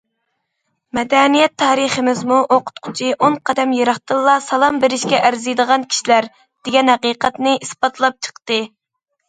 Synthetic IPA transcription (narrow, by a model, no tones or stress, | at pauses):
mɛd̪ɛnijɛt̪ʰːɑːɾəχəmɪzmuʔoqʰʊ̥t̪qʰʊ̥t͡ʃʰiʔoɴqʰɑd̪ɛmjeɾɑχt̪ɨlˠːɑsɑlˠɑmbeɾɪʃkʲɛʔæɾzɨjd̪əʁɑnkʲʰi̥ʃilæɾ | d̪̥ɪɡʲɛnhɑqiːqɛt̪nɨʔispɑt̪ʰlˠɑp̚t͡ʃʰə̥qt̪ɨ